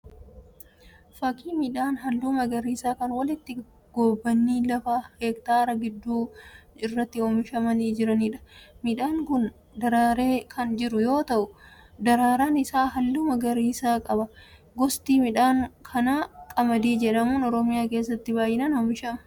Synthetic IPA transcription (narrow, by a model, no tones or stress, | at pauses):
fɐkiːmɪᶑaːnɦɐlːuːmɐɡɐɾiːsaːkɐnwɐlɪt̪ːɪ | ɡ̥oːbːɐnːiːlɐfaːheːkt̪aːɾɐɡɪd̪ːuːɪrːɐt̪ːɪɔmɪʃɐmɐniːd͡ʒɪɾɐniːᶑɐ̥mɪᶑaːŋkʊn | d̪ɐɾaːɾeːkʰɐnd͡ʒɪɾʊjo̞ːt̪ɐʔʊ | d̪ɐɾaːɾaːnɪsaːɦɐlːuːmɐɡɐɾiːsaːkʼɐbɐ | ɡɔst̪iːmɪᶑaːŋkʰɐnaːkʼɐmɐd̪iːd͡ʒɛᶑɐmuːnɔɾɔmɪjaːke̞ːs̬ːɐt̪ːɪbaːjɪnɐnɔmɪʃɐmɐ